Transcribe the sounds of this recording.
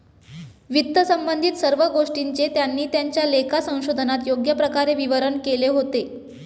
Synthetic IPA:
ʋit̪ːəsəmbənd̪ʱit̪səɾʋəɡoʂʈiɲt͡set̪janːiːt̪jaɲt͡ɕjalekʰasə̃w̃ɕod̪ʱənat̪joɡjəpɾəkaɾeʋiʋəɾəɳkeleɦot̪e

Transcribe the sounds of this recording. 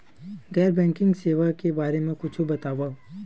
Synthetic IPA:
ɡɛːɾbɛ̃ːŋkɪ̃ŋɡseːʋakebaːɾemẽkʊt͡ʃʰubɐt̪aːʋa

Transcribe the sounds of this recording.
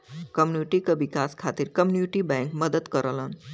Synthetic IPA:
kəmniʈikəʋikaskʰat̪iɾkəmjunuʈibɛ̃ŋkməd̪əd̪kəɾələn

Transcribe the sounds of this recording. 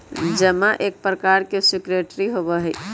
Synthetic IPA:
d͡ʒəmaʔek̚pɾəkaɾkesikɾeʈɾiɦobəɦəj

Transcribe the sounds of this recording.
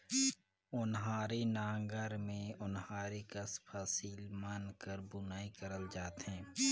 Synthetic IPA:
ʊnɦaːɾenãːŋɡəɾmẽʊnɦaːɾekɐspʰasiːlmaːnkəɾbʊnaːikəɾəld͡ʒaːt̪ɦɛ̃ː

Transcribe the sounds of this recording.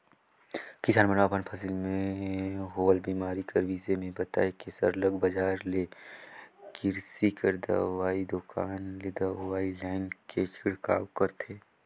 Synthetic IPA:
kɪsaːnmənapənpʰɐsilmẽɦoːəlbiːmaːɾikəɾʋiːzemẽbɐt̪a̰ːekesə̰ɾləɡbəd͡ʒaːɾle | kɪɾsikəɾd̪ə̰ʋaːid̪ʊkaːnled̪əʋaːilaːɪnket͡ʃʰɪɽka̰ːwkəɾt̪ʰeː

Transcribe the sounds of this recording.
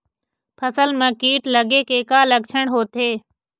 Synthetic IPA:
pʰəsəlmɛ̃ːkiːʈləɡeːkeːkaːləɡ̚t͡ʃʰəɽ̃ɦoːt̪ʰeː

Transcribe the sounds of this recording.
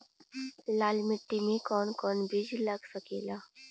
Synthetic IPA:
laːlmɪʈːimẽkɔːnkɔːnbɪd͡ʒlɐɡsɐkeːlaː

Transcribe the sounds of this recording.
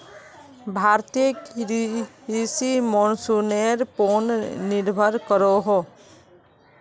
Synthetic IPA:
bʱaːɾt̪ik | isimɔnsuneɾponnɪɾbʱəɾkəɾoɦo

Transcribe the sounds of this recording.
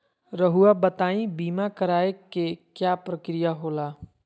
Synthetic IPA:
ɾəɦuabət̪aːĩbiːmakəɾaːekekjaːpɾəkɾijaɦoːlaː

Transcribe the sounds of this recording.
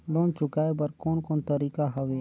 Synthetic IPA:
loːnt͡ʃʊkaːebəɾkoːnkoːnt̪əɾiːkaɦɐʋeː

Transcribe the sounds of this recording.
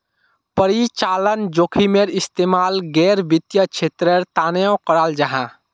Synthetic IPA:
pəɾit͡ʃaːlənd͡ʒoːkʰimeɾɪst̪eːmaːlɡɛːɾbɪt̪jət͡ʃʰeːt̪ɾəɾt̪aːnəjõkəɾaːld͡ʒaɦã

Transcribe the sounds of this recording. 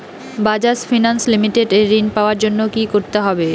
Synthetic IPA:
bad͡ʑasfinanslimiʈeɖeɾːinpaoaɾd͡ʑonːokikoɾt̪eɦɔbe

